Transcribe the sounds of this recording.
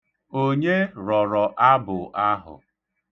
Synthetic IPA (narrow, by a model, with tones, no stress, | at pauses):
o˦ɲe˦ɾɔ˨ɾɔ˨ʔa˦bʊ˨ʔa˦ɦʊ̰˨